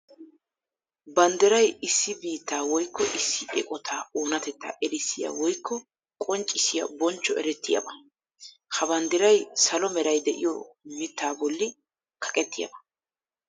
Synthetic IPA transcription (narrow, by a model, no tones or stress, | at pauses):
bɐnd̪ɛɾɐjɪsːɪbiːt̪ːaːwɔjkːɔʔɪsːɪʔɛ̰kʼɔt̪ʰaːoːnɐt̪ɛt̪ːa̰ʔɛɾɪsːɪja̰wɔjkːɔ | kʼɔnt͡ʃʼːɪsɪjɐ̰bɔnt͡ʃːɔɛɾɛt̪ːɪjɐ̰bɐ | hɐbɐnd̪ɛɾɐjsɐlɔmɛɾɐjd̪ɛʔɪjɔ̰mɪt̪ːaːbɔlːɪ | kʰɐ̥kʼɛt̪ːɪjɐ̰bɐ̥